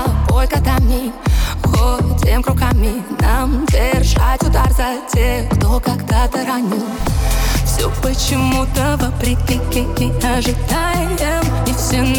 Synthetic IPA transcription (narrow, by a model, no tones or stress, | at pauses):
polʲkəd̪anʲiɣotʲemkɾʊkamʲɪnamdʲerʐatʲʊd̪arzatʲexkt̪okaɡd̪at̪əɾɐnʲi | fsʲopət͡ɕɪmut̪əvəpɾʲɪkʲɪkʲɪkʲɪɐʐɨd̪ajɛm | ɪsʲɪn